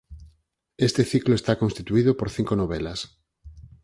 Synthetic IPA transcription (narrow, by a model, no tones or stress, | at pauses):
est̪eθikloest̪akonst̪it̪uiðopoɾθiŋkonoβ̞elas